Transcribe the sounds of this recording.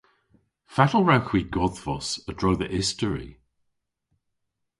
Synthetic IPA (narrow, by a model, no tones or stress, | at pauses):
fatəl̩ˠɹawxw̥iɡɔðvɔsədɹowðəʔɪstəɹḭ